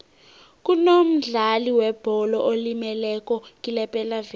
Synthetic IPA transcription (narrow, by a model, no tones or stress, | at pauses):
k̬unom̩ɮaliwɛb̥ʱɔlɔʔolimɛlɛkɔkʼilɛpʼɛlav